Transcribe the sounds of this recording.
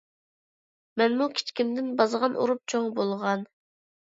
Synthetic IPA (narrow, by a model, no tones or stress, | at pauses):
mɛnmukʲʰi̥t͡ʃkʲimd̪ɪnbɑzʁɑnʔṵɾup̚t͡ʃʰoŋbolˠʁɑn